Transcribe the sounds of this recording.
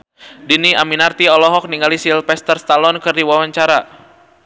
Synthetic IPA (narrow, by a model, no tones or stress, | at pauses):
diniaminart̪iɔlɔɦɔk̚niŋɡalisilpɛst̪ərst̪alɔnkɨrdiwawaɲt͡ʃaɾa